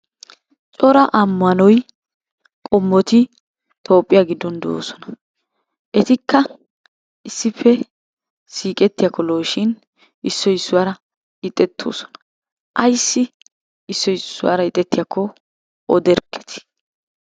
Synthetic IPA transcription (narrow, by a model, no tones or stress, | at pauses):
t͡ʃʼɔɾɐʔɐmːɐnɔj | kʼɔmːɔt̪ɪ | t̪ʰo̞ːpʼːɪjaɡɪd̪ːɔnd̪o̰ːsɔ̥nɐ̥ | ʔɛt̪ɪkːɐ | ɪsːɪpːɛ | siːkʼɛt̪ːɪjɐkːɔloːʃɪn | ɪsːɔɪsːʊwaːɾɐ | ɪt̪ʼːɛt̪ʰːo̰ːsɔ̥nɐ̥ | ʔɐjsːɪ | ɪsːɔɪsːʊwa̰ːɾɐɪt̪ʼːɛt̪ːɪjakʰːɔ | ɔd̪ɛɾkʰːɛ̥t̪ʰɪ̥